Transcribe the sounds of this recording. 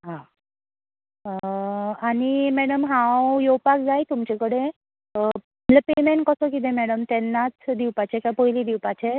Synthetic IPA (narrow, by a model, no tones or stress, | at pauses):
ɦã | aɽ̃imɛɽəmɦãwjowpak̚d͡zajt̪umt͡ɕekəɽẽ | lepemeɳkəsəkit̪̬ẽmɛɽəmt̪enːat͡sd̪iwpat͡ɕekapojlid̪iwpat͡ɕe